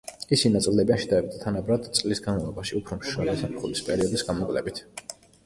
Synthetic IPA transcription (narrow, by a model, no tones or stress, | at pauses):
isinat̪sʼild̪ɛbiaʃɛd̪aɛbit̪ʰt̪ʰanabɾad̪t̪sʼlisɡanmalˠɔbaʃiupʰɾɔmʃalisamχulispʼɛɾiɔd̪isɡamɔkʼlɛ̰bit̪ʰ